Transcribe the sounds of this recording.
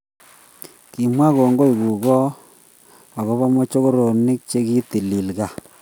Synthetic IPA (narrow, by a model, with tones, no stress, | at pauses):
ki˨mwa˦ɣo˨ŋɡo˦i˨ɣu˨ɣɔ˦ | a˨ɣo˦βa˦mo˦t͡ʃo˦ɣo˦ɾo˨ni˦k̚t͡ʃe˦ɣi˦t̪i˨li˨lɣa˨